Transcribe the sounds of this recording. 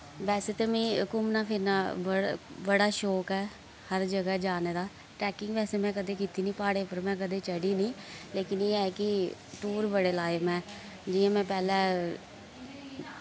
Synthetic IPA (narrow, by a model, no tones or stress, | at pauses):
ʋɛːseːt̪eːmĩːkʊmnaːpʰɪɾnaːbəbəɽaːʃɔːkɛː | həɾd͡ʒəɡɛːd͡ʒaːneːd̪aː | ʈɛːkɪŋɡʋɛːseːmɛ̃ːkəd̪eːkiːt̪iːnĩːpaːɽeːpəɾmɛ̃ːk̬əd̪eːt͡ʃəɽiːnĩːleːkɪneːɛːkɪʈuːɾbəɽeːlaːjmɛ̃ː | d͡ʒɪːãːmɛ̃ːpɛːlɛ̃ː